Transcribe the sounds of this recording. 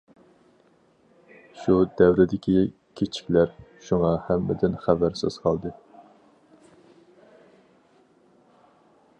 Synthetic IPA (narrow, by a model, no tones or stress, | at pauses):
ʃud̪ɛwɾɪd̪ɪkʲi | kʲʰet͡ʃʰi̥kʲlæɾʃuŋɑhæmːɪ̰d̪ɪnχæbæɾsɪz̥qʰɑlˠd̪ɨ